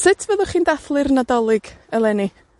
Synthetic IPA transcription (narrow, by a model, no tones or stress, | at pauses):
sɪtʰvɛðʊχiːndaθlˠɨrnadɔlˠɪɡ̥əlˠɛni